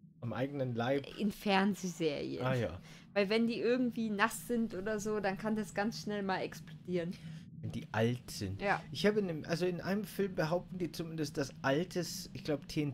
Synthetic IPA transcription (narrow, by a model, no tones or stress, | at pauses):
ʔamʔa̰ɪɡənənlaɪpʔɪ̰nfɛɐnzeːzeːʁḭə̰anːja̰ː | vaɪlvɛndiːʔɪɐɡŋ̩tv̥iːnasz̥ɪntʔoːdɐzoːdankʰandasɡ̥ansʃnɛlmaːlɛksplodiːʁənvɛndḭːʔa̰ltz̥ɪ̰ntjaːʔɪçhaːbənemʔalzoɪnʔa̰ɪnəmfɪlmbəɦaʊp̚tn̩diːt͡sumɪndəst̚d̥asʔaltʰəsʔɪçɡ̥laʊbətʰen